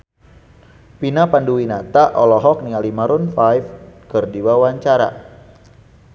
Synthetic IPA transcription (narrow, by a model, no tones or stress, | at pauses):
pinapanduwinat̪aʔɔlɔɦɔk̚niŋalimaɾʊnfajfkɨrdiwawaɲt͡ʃaɾa̰